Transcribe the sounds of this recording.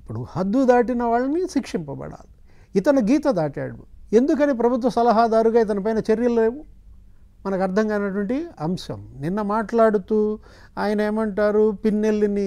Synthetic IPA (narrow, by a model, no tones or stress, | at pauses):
ipːuɽuhɐd̪ːud̪aːʈinɐʋaːɭːɐniʃikʂimpɐbɐ̰ɽa̰ːlu | it̪ɐnɐɡiːt̪ɐd̪aːʈa̰ːɽue̞nd̪uk̬ɐniːp̬ɾɐbʱut̪̬ʋɐsɐlɐɦaːd̪aːɾuɡaːit̪̬ɐnɐp̬ɐjnɐt͡ʃeɾjɐlleːʋu | mɐnɐkɐɾd̪ʰʱɐŋɡaːjnɐʈuʋɐɳʈiɐmʃɐ̰mninːɐmaːʈlaːɽut̪uː | aːjɐnɐeːmɐɳʈaːɾupinːelːini